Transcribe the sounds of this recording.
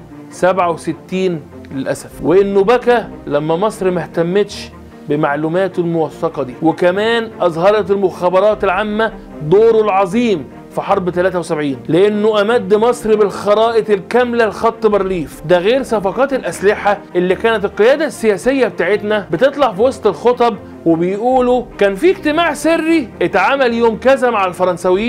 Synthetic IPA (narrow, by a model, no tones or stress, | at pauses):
sæbʕawset̪ːiːn | lelʔæ̰sæfweʔenːobækælæmːæmɑsˤɾmæht̪æmːet̪ʃ | bemaʕluːmæːt̪elmowɑfːɑqɑd̪iːwekæmæːnʔɑzˤhɑɾˤɑt̪elmoxæːbɑɾˤɑːt̪elʕamːæ | d̪oːɾolʕɑzˤiːm | fiħɑɾˤbt̪ælæːt̪æwesæbʕiːnleʔenːoʔæmæd̪ːmɑsˤɾibelxɑɾˤɑːʔekelkæmlælxɑt̪ˤːbɑɾˤliːfd̪æɣeːɾsæfɑqɑːt̪elʔæslɪħaʔelːiːkæːnæt̪elqejæːd̪æsːejæːsejːæbet̪aːʕet̪næbet̪et̪ˤlɑʕfiwɑsˤt̪ˤelxot̪ˤɑb | webejʔuːlukæːnfieɡt̪emaːʕserːiʔet̪ʕaːmæljoːmkæzæmaʕalfɑɾˤɑnsæwjː